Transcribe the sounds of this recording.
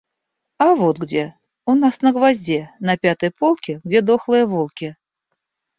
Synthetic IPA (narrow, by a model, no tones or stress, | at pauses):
avot̪ɡdʲe | unasnəɡvazʲdʲenɐpʲat̪ɨjpolˠkʲɪɡdʲed̪oxlˠɨjəvolˠkʲɪ